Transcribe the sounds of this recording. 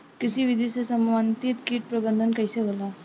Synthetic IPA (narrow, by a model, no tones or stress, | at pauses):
kɪsiʋɪd̪ʱisesɐmːaːnt̪ɪt̪kiːʈ̚pɾɐbə̃nd̪ʱənkɐiseɦoːlaː